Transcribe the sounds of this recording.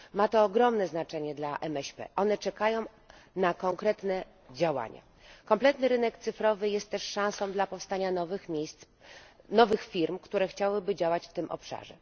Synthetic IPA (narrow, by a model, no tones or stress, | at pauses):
mat̪ɔːɡɾɔmnɛznat͡ʂɛɲɛd̪laʔɛmɛɕpɛ̰ʔɔn̪ɛt͡ʂɛkajɔ̃w̃ | nakɔŋkɾɛt̪nɛ | d͡ʑawa̰ɲa̰ | kɔmplɛt̪nɘɾɘnɛkt̪sɘfɾɔvɘjɛst̪ːɛʂʂãw̃sɔ̃w̃d̪lapɔfst̪aɲanɔvmʲejst̪s | nɔvɘxfʲiɾmkt̪uɾɛxt͡ɕawɘbɘd͡ʑawat͡ɕft̪ɘmʔɔ̰pʂa̰ʐɛ̰